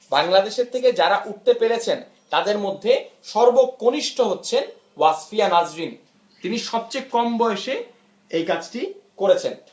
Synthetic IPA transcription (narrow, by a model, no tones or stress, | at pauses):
baŋlad̪eʃeɾt̪ʰeked͡ʑaɾaʔuʈ̚t̪epeɾet͡ɕʰen | t̪ad̪eɾmod̪ʱːeʃɔɾbooniʃʈʰoɦotːɕʰen | wasfijanad͡ʑɾin | t̪iniʃɔb̚t͡ɕekɔmbɔeeʃe | ejkad͡ʑʈikoɾet͡ɕʰen